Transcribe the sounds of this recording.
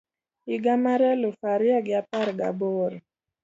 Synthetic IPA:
iɡamaɾɛlufaɾiaɡjapaɾɡa̰boɾ

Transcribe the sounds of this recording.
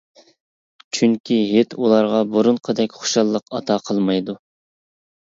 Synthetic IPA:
t͡ʃʰyŋkʲʰiɦet̪ʰulˠɑɾʁɑboɾunqʰəd̪ɛkʲχo̥ʃɑlˠːəqɑt̪ʰɑqʰəlˠmɑjd̪u

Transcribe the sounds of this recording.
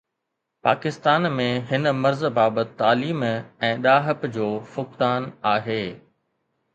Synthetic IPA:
paːkɪst̪aːnmẽɦɪnə̆mɐɾzbaːbət̪ɪt̪ːaːliːmɛ̃ːɗaːɦəpd͡ʑoːfʊkt̪aːnaːɦeː

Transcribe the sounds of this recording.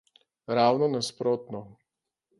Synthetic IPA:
ɾaːwnɔnaspɾoːt̪nɔ

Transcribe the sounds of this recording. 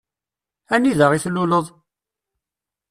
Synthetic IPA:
æniðəʁiθlːuləðˤ

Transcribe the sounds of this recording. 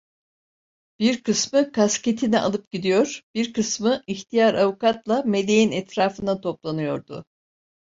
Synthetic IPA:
b̥iɾkɯsmɯkʰasce̞t̪ʰiniʔa̰lˠɯp̚ɟid̪ijo̞ɾ̥b̥iɾkɯsmɯiçt̪ʰijaɾavukat̪lˠame̞d̪e̞jinɛt̪ɾaːfɯnd̪at̪ʰo̞plˠanɯjo̞ɾd̪ʊ̰

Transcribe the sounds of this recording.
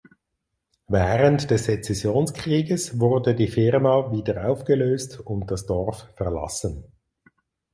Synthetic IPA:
vɛːʁəntd̥ɛsd̥et͡sɛsjoːnskʁ̥iːɡəsvʊɾdədiːfɪʁmaviːdəʁaʊfɡ̥əløːstʊnt̚d̥ɑsd̥ɔʁffɛʁlɑ̰sən

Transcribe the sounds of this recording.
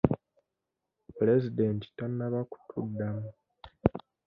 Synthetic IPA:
plezidenti̥tanːaβaku̥tʰudːamu

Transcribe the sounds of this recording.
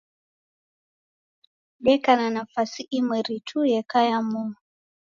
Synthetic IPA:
ɗɛkananafasiʔimwɛɾitʰujɛkajamu

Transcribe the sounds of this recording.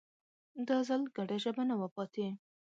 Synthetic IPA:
d̪ɑzalɡaɖaʒəbanawəpɑt̪e

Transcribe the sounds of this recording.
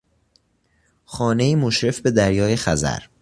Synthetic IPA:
xɒːne̞iːmoʃɾe̞fbe̞d̪æɾjɒːjexæzæ̰ɾ

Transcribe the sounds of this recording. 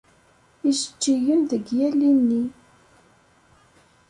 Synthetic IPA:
izət͡ʃːiʝənðəɡjælːinːi

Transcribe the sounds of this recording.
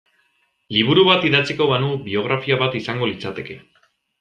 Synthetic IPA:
liβ̞uɾuβat̪iðat͡siko̞βanubio̞ɣ̞ɾafiaβat̪isaŋɡo̞lit͡sat̪e̞ke̞

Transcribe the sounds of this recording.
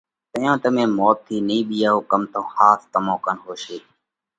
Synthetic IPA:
t̪əjõːt̪əmẽːmoːt̪ʰːiːnĩːɓijaːɦoːkəmt̪õːxaːst̪əmõːkənɦoːʃeː

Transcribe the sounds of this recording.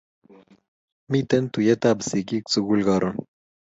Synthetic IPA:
mit̪ent̪ujet̪aːbəsikik̚t͡suɡulɡɑɾun

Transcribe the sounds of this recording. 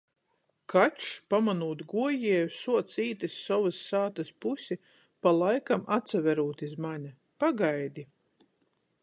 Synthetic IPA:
kʰat͡ʃpamanuːt̪ɡuɔjiɛjusuɔt̪siːt̪isːɔvɨsːaːt̪ɐspusʲi | palˠajkamat̪savɛɾuːt̪izmaɲʲɐ | paɡajd̪ʲi

